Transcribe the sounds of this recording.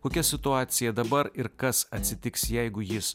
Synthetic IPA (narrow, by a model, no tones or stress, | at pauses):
koːkʲɛsʲɪt̪ʊɑːt̪sʲɪjɛd̪ɐbɐɾɪɾkɐsɐt̪ʲsʲɪt̪ʲɪksjɛɪɡʊjɪs